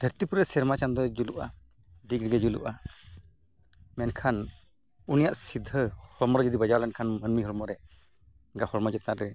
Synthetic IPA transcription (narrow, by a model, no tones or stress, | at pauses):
d̪̥ʱəɾt̪ipuɾɛsɛɾmat͡ʃand̪ɔd͡ʒuluʔa̰ | ɖiɡɾɡɛd͡ʒulṵʔa | mɛnkʰan | unijaʔsid̪ʱːəhɔɾmɔɾɛd͡ʒəd̪ibəd͡ʒawlɛnkʰanmənmiɦɔɾmɔɾɛ | ɡahɔɾmɔd͡ʒɛt̪aʔɾɛ